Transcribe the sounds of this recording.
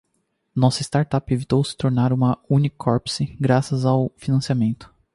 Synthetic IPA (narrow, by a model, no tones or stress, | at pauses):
nɔsɐɪst̪aɾt̪apevit̪owsɪ̥t̪oɾnaɾũmɐũnikʰɔɾpsɪɡɾasɐzawfinɐ̃siamẽnt̪ʊ̥